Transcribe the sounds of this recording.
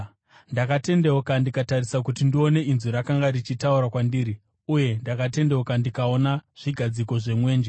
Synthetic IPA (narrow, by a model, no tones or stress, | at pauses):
ndakate̞nde̞okandikatarisakutindio̞ne̞inzuɾakaŋɡarit͡ʃitauɾakwandiːɾi | uje̞ndakate̞nde̞okandikao̞naʐ̥iɡʱad͡ziko̞ʐe̞mwe̞ːnd͡ʒe